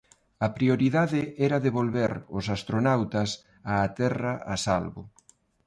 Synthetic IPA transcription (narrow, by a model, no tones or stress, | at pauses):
ɐpɾioɾiðaðɪɛɾaðeβolβeɾʊ̰sast̪ɾonawt̪ɐs | aːt̪ɛrɐasalβʊ̰